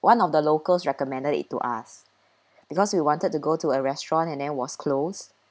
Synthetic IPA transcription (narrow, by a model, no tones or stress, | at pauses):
wʔãnɔfdəlokəlsɹɛkɔmɛ̃ndədḭtːṵʔa̰s | b̥ikɔswiwɔ̃ntəd̚tuɡotuəɹɛstɹɔ̃nɛ̃ndɛ̃nwɔskʰlos